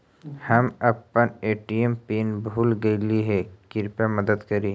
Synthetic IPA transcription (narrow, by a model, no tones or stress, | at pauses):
hɐmɐpəneːʈiempiːnbʱuːlɡɐiliɦɛkɪɾpemɐd̪əd̪kɐɾi